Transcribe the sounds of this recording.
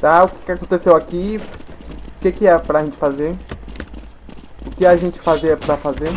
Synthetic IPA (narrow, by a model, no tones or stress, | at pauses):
t̪aʊkɪ̥kɪakõnt̪esewaki | ʊkekɪɛpɾɐʒẽnt͡ʃɪ̥fazeɾ | ʊkɪaʒẽnt͡ʃɪ̥fazeɾɛpɾɐfazeɾ